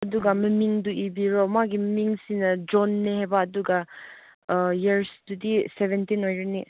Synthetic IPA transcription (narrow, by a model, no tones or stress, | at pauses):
ɐduɡɐmɐmiŋduʔibiɾɔmaɡimɐmiŋsinɐd͡ʒɔnːehebɐːduɡɐ | jeɾsdudiseβentinojɾeni